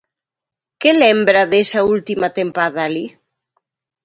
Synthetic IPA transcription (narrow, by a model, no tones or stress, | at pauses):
kelembɾaðesault̪imat̪empaðali